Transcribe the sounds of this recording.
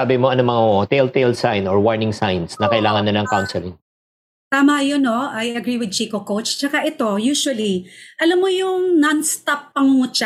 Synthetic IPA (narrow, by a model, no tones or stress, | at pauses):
aːbɪmoɐnomɐŋot̪ejlt̪ejlsajnɔɹwaɹnɪŋsajnsnɐkɐʔɪlaːŋɐnːɐnɐŋkawnsɛlɪŋ | t̪aːmɐjonoʔɐjɐɡɾiwɪd̪̚t͡ʃiːkokowt͡ʃt͡ʃɐkaʔɛt̪o̞juːʃʊwɐliʔɐlɐmːojʊŋnɐnst̪apːɐŋʊŋʊt͡ʃa